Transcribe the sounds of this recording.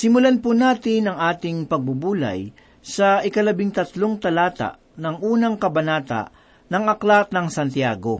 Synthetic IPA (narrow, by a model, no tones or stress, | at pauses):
sɪmʊlanpʊnaːt̪ɪnɐŋʔaːt̪ɪŋpɐɡ̚bʊbuːlɐ̰j | sɐɪkɐlɐbɪŋt̪ɐt̪loŋt̪ɐlaːt̪a̰ʔ | nɐŋʔuːnɐŋkɐbɐnaːt̪a̰ʔ | nɐŋɐklat̪̚nɐŋsɐnt̪jaːɡo̞